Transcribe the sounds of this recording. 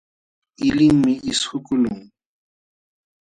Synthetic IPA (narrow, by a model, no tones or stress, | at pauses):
ɪlɪm̩mɪisʰʊkʼʊloːŋ̩